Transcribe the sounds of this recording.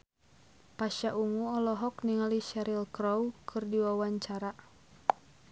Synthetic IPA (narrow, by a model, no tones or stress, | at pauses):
paʃaʔuŋuɔlɔɦɔkniŋaliʃaɾilkɾɔwkʰɨrdiwawaɲt͡ʃaɾa